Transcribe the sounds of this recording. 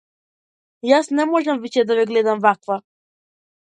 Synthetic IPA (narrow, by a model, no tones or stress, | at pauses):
jasnɛmɔʒɛmvit͡ʃɛd̪avɛɡlɛd̪amvakva